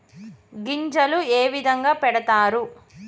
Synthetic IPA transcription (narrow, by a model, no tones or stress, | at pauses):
ɡiɲd͡ʒɐlueːʋid̪ʱɐŋɡaːpɛɽɐt̪aːɾu